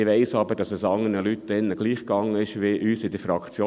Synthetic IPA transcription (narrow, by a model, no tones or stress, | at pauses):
ɪʋɛɪsɑbəd̥ɑsəsɑŋənəlyt̚ːd̥ɪnːəɡ̥liːχkɑŋːəɪʃʋɪʔyːsɪd̥əfɾɑkt͡sjoː